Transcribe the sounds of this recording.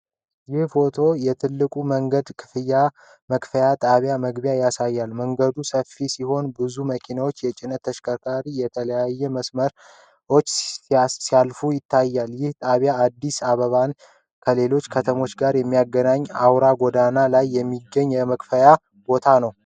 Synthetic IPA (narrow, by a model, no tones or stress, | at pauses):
jɪhfo̞t̪ʰo̞jɛt̪ʰɨlːɨkʼuməŋɡəd̪kʰɨfɨja | məkʼfəjat̪ʼaβjaməɡbjajasajːalməŋɡəd̪usəfisiho̞nbɨzuməkʰinawot͡ʃːjɛt͡ʃʼɪnət̪ʰːəʃkʰəkʰaɾijɛt̪ʰələjajːɛməsməɾ | o̞t͡ʃːsijalfujɪt̪ʰːajːaljɪht̪ʼaβjaːd̪ːisaβəβan | kʰəle̞lo̞t͡ʃːkʰət̪ʰəmo̞t͡ʃːɡaɾjɛmːijaɡənaɲːawɾaɡʷod̪analajːɛmːiɡːəɲːjɛməkʼfəja | bo̞t̪ʰanəw